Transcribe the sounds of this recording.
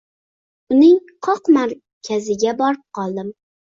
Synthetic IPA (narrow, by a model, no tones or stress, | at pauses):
ʊnɪŋqʰɒqmaɾ | kʲʰazɪɡʲabɒɾɪp̚qʰɒlˠd̪ɪm